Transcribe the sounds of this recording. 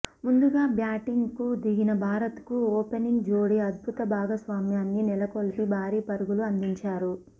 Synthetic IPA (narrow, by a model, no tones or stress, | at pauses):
mund̪uɡaːbjaːʈiŋɡkud̪iɡinɐbʱaːɾɐt̪kuoːpeniŋɡd͡ʒoːɽiɐd̪̚bʱut̪ɐbʱaːɡɐsʋaːmjaːnːinilɐkolpibʱaːɾiːpɐɾuɡuluɐnd̪iɲt͡ʃaːɾu